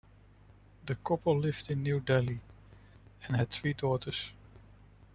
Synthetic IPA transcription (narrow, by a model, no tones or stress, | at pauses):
ðəkʰɔpʰəllɪvdɪ̃nːjudɛlˠi | ɛ̃nhɨd̥̚θɹidɔtʰə˞s